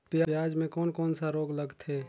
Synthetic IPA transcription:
pjajaːd͡ʒmẽkɔːnkɔːnsaɾoːɡləɡt̪ʰeː

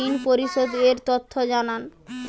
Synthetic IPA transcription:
inpoɾiʃod̪eɾt̪ot̪ʰːod͡ʑanan

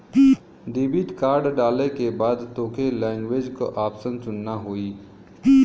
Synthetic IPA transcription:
ɖeːbiʈkaːɾɖɖaːlekebaːd̪t̪õːkʰelɛ̃ːŋɡʋeːd͡ʒko̰ʔaːpsənt͡ʃʊnːaɦoːiː

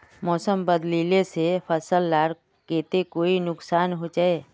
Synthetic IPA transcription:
mɔːsəmbəd̪liːlesepʰəsəlːaːɾ | keːt̪ekoːinʊksaːnɦod͡ʒaːeː

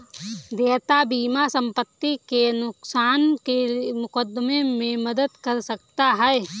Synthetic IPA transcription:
d̪eːt̪abiːmasə̃mpət̪ːikenʊksaːnkemʊkəd̪memẽmɐd̪əd̪kɐɾsək̚t̪aɦɛɛ

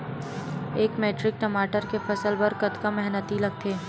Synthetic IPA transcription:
eːkmeːʈɾɪk̚ʈɐmaːʈəɾkefʰɐsəlbɐɾkɐt̪kamɛɦnət̪ilɐɡ̚t̪ʰeː

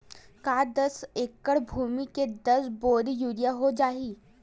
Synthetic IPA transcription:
kaːd̪ɐseːkːəɽbʱuːmiked̪ɐsboːd̪ijuːɾijaɦod͡ʒaːiː

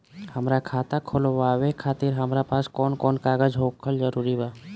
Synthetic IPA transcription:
həmɾakʰaːt̪akʰoloʋaːwekʰaːt̪iɾɦəmɾapaːskɔːnkɔːnkaːɡəd͡ʒɦoːkʰəlzəɾuːɾibaː

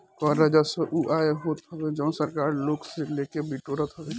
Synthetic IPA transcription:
kɔɾːəd͡ʒasəʔuʔaeɦoːt̪ɦəbed͡ʒə̃səɾkaːɾloːɡselekebiʈoɾət̪ɦəbe

